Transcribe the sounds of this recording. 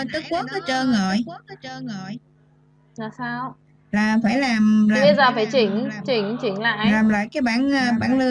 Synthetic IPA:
t̪ɨ˦˥k̚ku˦˥ək̚nɔ˨˦t͡ɕəː˧jŋɔ˨˩jxu˦˥ək̚nɔ˨˦t͡ɕəː˧jŋɔ˨˩j | laː˨˩saː˧w | laː˨˩faː˧˩jlaː˨˩mlaː˧˨i˨˦zaː˨˩faː˧˩jt͡ɕwi˧˩ən˨˩t͡ɕwi˧˩ənt͡ɕwi˧˩ənla̰ː˧˨ʔlaː˨˩mla̰ː˧˨jkaː˨˦jɓaː˧˩nʔəː˧ɓaː˧˩nlɨ˧

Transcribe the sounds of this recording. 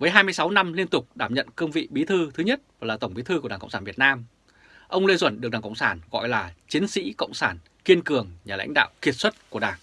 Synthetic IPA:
vəː˨˦jɦaː˧jmɨ˧jsa˨˦wna˧mli˧ənt̪ʊ˨˩k͡p̚ɗaː˧˩mɲə̰˧˨nkəː˧mvḭ˧˨ɓi˨˦t̪ʰɨ˧t̪ʰɨ˨˦ɲə˦˥t̚vaː˨˩laː˨˩t̪ə˧˩wŋ͡mɓi˨˦t̪ʰɨ˧ku˧˩aː˨˩kə̰˧˨wŋ͡msaː˧˩vt̚naː˧m | ʔə˧wŋ͡mle˧zwə˧˩nɗɨ˨˩k̚ɗaː˨˩kə̰˧˨ŋ͡msaː˧˩nɣɔ̰˧˨jlaː˨˩t͡ɕi˨˦ənsḭ˧˥kə̰˧˨wŋ͡msaː˧˩n | ki˧ənkɨ˨˩əŋɲaː˨˩la̰˧˥jŋ̟ɗa̰ː˧˨wki˨˩ət̚swə˦˥t̚ku˧˩ɗaː˧˨˩ŋ

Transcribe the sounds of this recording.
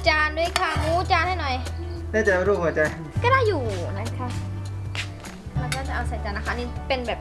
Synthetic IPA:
t͡ɕaː˧nduː˧˥˨jkʰa˧˩muː˦˥t͡ɕaː˧nha˥˩jnɔ˨˩jdaː˥˩t͡ɕa˨˩a˧ɾuː˥˩p̚haː˨˩˦t͡ɕa˧j | kɔː˥˩daː˥˩jːuː˨˩na˦˥˩kʰa˦˥ | pʰaː˧˩t͡ɕaː˥˩nt͡ɕa˨˩ʔa˧wsaː˨˩˦jt͡ɕaː˧nːa˦˥ka˥ʔniː˥˩pe˧nbɛː˨˩p̚

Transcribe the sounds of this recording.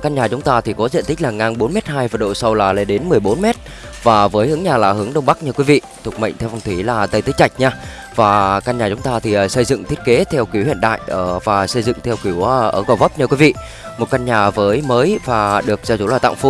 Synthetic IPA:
kaː˧nɲaː˨˩t͡ɕʊ˨˦ŋ͡mt̪aː˧t̪ʰi˨˩kɔ˨˦zḭ˧˨t̪ï˦˥k̟̚laː˨˩ŋa˧nɓo˨˦nmɛ˦˥t̚haː˧jvaː˨˩ɗo̰˧˨sa˧wlaː˨˩le˧nɗe˨˦nmɨ˨˩əjɓo˨˦nmɛ˦˥t̚ | vaː˨˩vəː˨˦jhɨ˨˦əŋɲaː˨˩laː˨˩hɨ˨˦əŋɗə˧wŋ͡mɓa˦˥k̚ɲəː˧˩kwi˨˦vḭ˧˨t̪ʰʊ˨˩k͡p̚mə̰˧˨ŋ̟t̪ʰɛ˧wfa˧ŋ͡mt̪ʰi˧˩laː˨˩t̪ə˧jt̪ɨ˨˦˥kt͡ɕa˨˩jk̟̚ɲaː˧ | vaː˨˩kaː˧nɲaː˨˩t͡ɕʊ˨˦ŋ͡mt̪aː˧t̪ʰi˨˩˨sə˧jzɨ̰˧˨ŋt̪ʰi˦˥t̚ke˨˦t̪ʰɛ˧wkwi˧˩əwhḭ˧˨ənɗa̰ː˧˨jʔəː˧˩vaː˨˩sə˧jzɨ̰˧˨ŋt̪ʰɛ˧wki˧˩əwʔəː˧˩ɣə˨˩wvə˦˥p̚ɲəː˧kwi˨˦vḭ˧˨ | mo˨˩t̚ka˧nɲaː˨˩vəː˨˦jməː˨˦jvaː˨˩ɗɨ˨˩ək̚zaː˧˩t͡ɕu˧˩laː˨˩t̪a̰˧˨ŋ͡mfu˨˦

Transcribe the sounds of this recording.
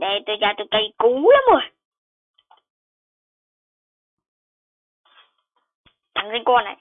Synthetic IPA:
ɗe˨˩t̪o˧jzaː˧˩t̪o˧˩jkə˧˩jku˨˦la˨˦mə˨˧˩ə˨˩ | t̪a˨˩ŋsi˧ŋkɔː˧˩na̰˨j

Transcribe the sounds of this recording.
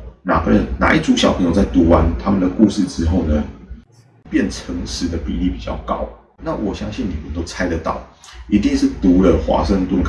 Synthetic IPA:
na̰˨˩bə˨˦nna̰˨˩ʔi˥˩ʈ͡ʂu˧˥ɕjɑ˨˩pʰɤ˧ŋjo˨ʊt͡sa˥˩ɪt̪u˧˥wa˧˦nt̪ʰa˥mə˨nd̪ə˩ku˥˧ʂɻ̩˥˩ʈ͡ʂɻ̩˥xo˥˩ʊnə˩ | pjɛ˥˩nʈ͡ʂʰə˧˥ŋʂɻ̩˨˩d̪ə˨pḭ˨˩li˥˩pi˨˩t͡ɕjɑ̰˥˩ʊkɑ̰˦˥ʊ | na˥˩wʔɔ˨˩ɕjɑ˥ŋɕi˥˩nni˨˩mə˨nt̪o˥ʊt͡sʰa˥ɪd̪ə˨t̪ɑ̰˨˩˦ʊi˧˥t̪i˥˧ŋʂɻ̩˥˩t̪u˨˥lə˨xwa̰˧˥ʂə˥˧ŋt̪wə˥˩nkʰ

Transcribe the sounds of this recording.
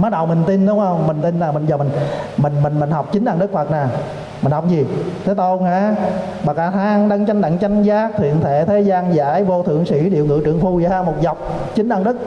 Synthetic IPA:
maː˨˦˥ɗə˨˩wmï˨˩ŋ̟t̪i˧nɗʊ˨˦ŋ͡mhə˧wŋ͡mmï˨˩ŋ̟t̪i˧nnaː˨˩mï˨˩ŋ̟zaː˨˩mi˨˩ŋmï˨˩ŋ̟mï˨˩ŋ̟mi˨˩ŋ̟ha˨˩wk͡p̚t͡ɕï˨˦ŋ̟ɗaː˧nɗɨ˦˥k̚fə˨˩t̚naː˨˩ | mï˨˩ŋ̟hɔ˨˩wk͡p̚zi˨˩t̪ʰe˨˦t̪o˧nhaː˧˩˦ | ɓaː˨˩kaː˧˩t̪ʰaː˧ŋɗa˧ŋt͡ɕa˧jŋ̟ɗa̰ː˧˨ŋt͡ɕa˧jŋ̟zaː˦˥k̚t̪ʰḭ˧˨ət̪ʰe˧˩t̪ʰe˨˦zaː˧nzaː˧˥jvo˧t̪ʰɨ̰˧˨əŋsḭ˧˥ɗḭ˧˨əwŋɨ̰˧˨t͡ɕɨ̰˨˧˨əŋfu˧˩jhaː˧mo˨˩t̚za˨˩wk͡p̚ | t͡ɕï˨˦ŋ̟ɗaː˧nɗɨ˦˥k̚

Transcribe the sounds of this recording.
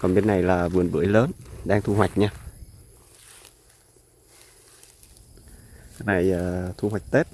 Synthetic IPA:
kɔ˨˩nɓe˧nːa˨˩jlaː˨˩vɨ˨˩ənɓɨ̰˧˨˥əjləː˨˦nɗaː˧ŋt̪ʰu˧ɦwa˨˩jk̟̚ɲaː˧ | na˨˩jʔəː˨˩t̪ʰu˧hwa˨˩jk̚t̪e˦˥t̚

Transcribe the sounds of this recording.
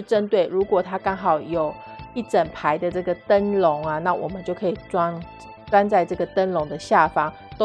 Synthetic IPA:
ʈ͡ʂə˦nt̪we˥˩ɪɻu˨˥kwɔ˨˩t̪ʰa˥kɑ˥ŋɦɑ˨˩ʊjo˨˩ʊ | i˥˩ʈ͡ʂə˨˩npʰa˧˦ɪd̪ə˨ʈ͡ʂɤ˥˩ɡə˨t̪ə˦nlʊ˨˧˦ŋa˨na˥˨wʔɔ̰˨˩mə˨˦nt͡ɕo˥˩ʊkʰə˧˦˥i˨˩t͡sa˥ | t͡sa˦nt͡sa˥˧ɪʈ͡ʂɤ˥˩ɡə˩t̪ə˦˥nlʊ˧˦ŋd̪ə˨ɕja˥˨fɑ˥ŋ | t̪o˥

